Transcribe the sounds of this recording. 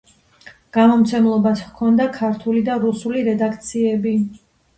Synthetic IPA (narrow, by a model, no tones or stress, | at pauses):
ɡ̥amɔmt̪sʰɛmlˠɔbaskʰɔnd̪akʰaɾt̪ʰulid̪aɾusuliɾɛd̪akʰt̪sʰiɛbi